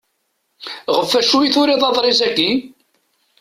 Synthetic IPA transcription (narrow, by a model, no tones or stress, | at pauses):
ʁəfːæʃujiθʊɾiðˤɑðˤɾˤɪzæɡːi